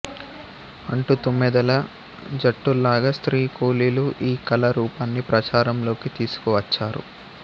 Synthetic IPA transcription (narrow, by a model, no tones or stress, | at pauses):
ɐɳʈut̪umːɛd̪ɐlɐ | d͡ʒɐʈːulaːɡɐːst̪ɾiːkoːliːluʔiːkɐlɐɾuːpɐnːipɾɐt͡ʃaːɾɐmlo̞ːkit̪iːsu̥kɔʋɐt͡ʃːaːɾṵ